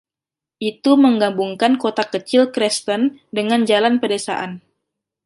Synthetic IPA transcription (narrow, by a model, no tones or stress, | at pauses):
ʔit̪uməŋɡambuŋkankot̪akət͡ʃɪlkɾɛst̪əndəŋand͡ʒalanpədesa̰ʔan